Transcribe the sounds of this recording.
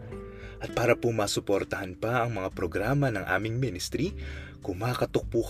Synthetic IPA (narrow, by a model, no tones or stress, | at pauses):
ʔɐt̪̚paːɾɐpomaːsʊpoɾt̪ɐhɐnpɐʔɐŋmɐŋapɾoɡɾaːmɐnɐŋʔa̰ːmɪŋmɪnɪst̪ɾi | kʊmaːkɐt̪ʊk̚puːk